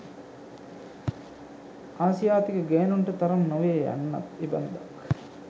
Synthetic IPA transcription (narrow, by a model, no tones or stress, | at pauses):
aːsijaːt̪ikəɡeːnuɳʈɐt̪ɐɾɐnnoʋeːja̰nːɐ̰t̪ibɐnd̪ɐ